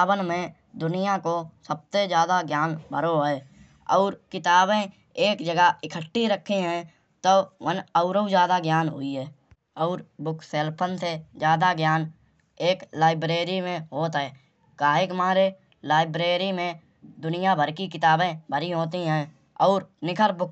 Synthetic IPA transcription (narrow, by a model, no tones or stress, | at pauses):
bənmẽ | d̪ʊnɪjakosəb̚sed͡ʒjaːd̪aɡjaːnbʱəɾoɦɛː | ɔːɾkɪt̪aːbẽ | eːkd͡ʒəɡəɪkʰəʈːiɾəkʰːiɦɛ̃ | t̪oʋənəʊɾũd͡ʒjaːd̪aɡjaːnɦʊ̰iɦɛː | ɔːɾbʊkʰseːlpʰənsezjaːd̪aɡjaːn | eːklaːɪbɾeːɾimẽɦoːt̪ɦɛː | kaːɦekmãːɾe | laːɪbɾeːɾimẽ | d̪ʊnɪjabʱəɾkikɪt̪aːbẽbʱəɾiɦoːt̪iɦɛ̃ | ɔːɾnɪkʰəɾbʊk̚ʰ